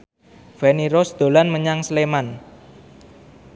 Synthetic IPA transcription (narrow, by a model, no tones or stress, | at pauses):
vɛniɾɔsd̪̥o̤lanməɲaŋsleman